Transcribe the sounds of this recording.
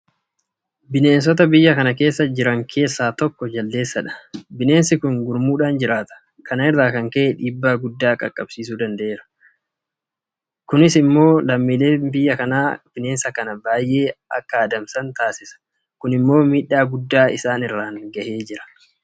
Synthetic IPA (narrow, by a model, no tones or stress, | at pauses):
bɪne̞ːnsɔt̪̬ɐbɪjːɐkɐnɐke̞ːsːɐd͡ʒɪɾɐŋkʰe̞ːsːaːt̪ɔkːɔd͡ʒɐlːe̞ːsːɐᶑɐ̥bɪne̞ːnsɪkʊŋɡʊɾmuːᶑaːnd͡ʒɪɾaːt̪ɐ̥ | kʰɐnɪrːaːkɐŋkɐʔeᶑiːbːaːɡʊd̪ːaːkʼɐ̰kʼːɐb̥siːsuːd̪ɐnd̪ɐʔeːɾɐ̥ | kʊnɪsɪmːo̞ːlɐmːiːle̞ːbɪjːɐkɐnaːb̥ɪne̞ːnsɐkɐnɐbaːjʔe̞ːɐ̰kːɐːd̪ɐmsɐnt̪aːsɪsɐ̥ | kʊnɪmːo̞ːmiːᶑːaːɡʊd̪ːaːɪ̰saːnɪrːaːŋɡɐhe̞ːd͡ʒɪɾɐ̥